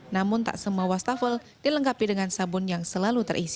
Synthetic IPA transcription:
namʊnt̪a̰ʔsəmawast̪afəl | diləŋkapidəŋansabʊnjaŋsəlalut̪ərʔisi̥

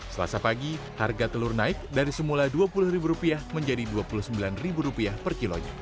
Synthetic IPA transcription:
səla̰sapaɡi | harɡat̪əlʊrnaɪk̚daɾisəmuladuapulʊhribuɾupiahməɲd͡ʒadiduapulʊhsəmbilanribuɾupiahpərkiloɲa̰

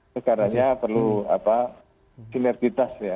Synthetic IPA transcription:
əkaɾaɲapərlua̰pa | inɛrd̥it̪asja

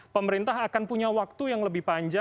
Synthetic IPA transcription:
pəməɾint̪aɦakanpuɲawak̚t̪ujaŋləbɪhpaɲd͡ʒa

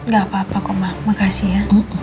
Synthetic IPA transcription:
ɡapapakɔmamakasijam̩

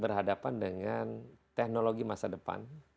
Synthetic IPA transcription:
bərɦadapandəŋant̪ɛk̚noloɡimasadəpa̰n

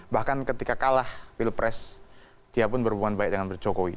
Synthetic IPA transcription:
bahkankət̪ikakalahfɪlpɾʔɛs | d̥iapʊnbəɾubuŋanbaɪk̚dəŋanbərd͡ʒokoḭ

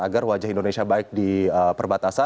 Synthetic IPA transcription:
aɡarwad͡ʒahindonesiabaɪk̚diəpərbat̪asa

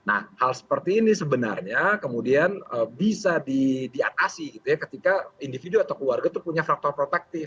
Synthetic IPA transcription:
na̰hhalsə̥pərt̪iːnisəbəna̰rɲakəmudianəbisadidiat̪asiɡit̪ujakət̪ikaindifiduat̪awkəluwarɡat̪upuɲafɾak̚t̪ɔrpɾot̪ak̚t̪ɪf

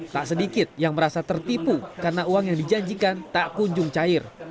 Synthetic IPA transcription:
t̪aʔsədikɪt̪̚jaŋməɾasat̪ərt̪ipukarənauaŋjaŋdid͡ʒaɲd͡ʒikant̪aʔkuɲd͡ʒʊŋt͡ʃaɪr

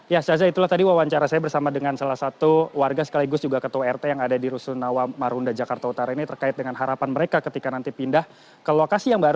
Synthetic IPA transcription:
jasazait̪ulaht̪adiwawaɲt͡ʃaɾasajabərsamadəŋansalahsat̪uwarɡasə̥kaliɡʊsd͡ʒuɡakət̪owɛrt̪ejaŋadadiɾusunawamaɾundad͡ʒakart̪aut̪aɾainit̪ərkaɪt̪̚dəŋanɦaɾapanməɾekakət̪ikanant̪ipindah | kəlokasijaŋbaɾ

